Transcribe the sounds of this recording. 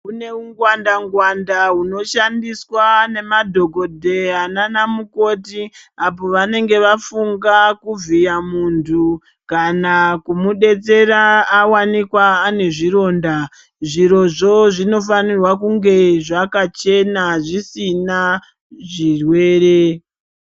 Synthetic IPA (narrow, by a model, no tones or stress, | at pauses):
une̞uŋɡwandaŋɡwandaɦuno̞ʃandiswane̞madʱo̞ɡo̞dʱe̞ananamuko̞tiapo̞ʋane̞ŋɡe̞ʋafuŋɡakuvijamuntʰu | kanakumuɗe̞t͡se̞ɾaːwanikwaːne̞ʐiɾo̞ːnda | ʐiɾo̞ʐo̞ʐino̞fanirwakuŋɡe̞ʐakat͡ʃe̞naʐisina | ʐirwe̞ːɾe̞